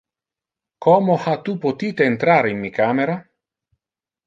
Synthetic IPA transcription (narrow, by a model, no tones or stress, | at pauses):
kʰɔmohat̪upot̪iːt̪eːnt̪ɾaːɾeinmikʰaːmeɾa